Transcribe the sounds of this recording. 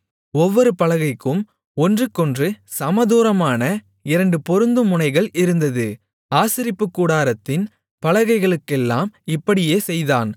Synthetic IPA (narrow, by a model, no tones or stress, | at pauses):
ɔʋːɔɾɯpɐlɐɣɐɪkːɯm | ɔndrɯkːɔndrɯsɐmɐðuːɾɐmaːnɐ | ɪɾɐɳɖɯpɔɾɯnd̪ɯmʊnɐɪɣɐɭɪɾɯnd̪ɐðɯ | aːsɪɾɪpːɯkːuːɽaːɾɐt̪ːɪn | pɐlɐɣɐɪɣɐɭɯkːɛlːaːmɪpːɐɽɪjeːsɛjðaːn